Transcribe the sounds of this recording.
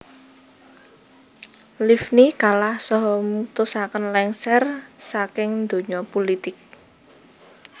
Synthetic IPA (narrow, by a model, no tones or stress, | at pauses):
lifnikalahsɔɦɔmut̪usakənlɛŋsɛrsakɪŋnd̪o̤ɲɔpolit̪ɪk̚